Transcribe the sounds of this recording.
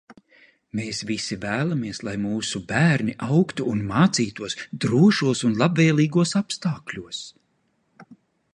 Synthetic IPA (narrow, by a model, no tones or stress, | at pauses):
meːsvisivæːlˠamiɛslˠajmuːsubæːɾniʔawkt̪uːnmaːt̪siːt̪uɔsd̪ɾuɔʃuɔsunlˠabveːlˠiːɡuɔsapst̪aːklʲuɔs